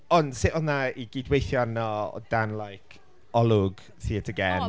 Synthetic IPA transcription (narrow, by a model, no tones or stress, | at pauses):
ɔndsɪʔɔðnaiɡɪdwejθjɔnɔɔ̰d̥anlajkʰ | ɔlˠʊɡ | θiːətʰəɡɛn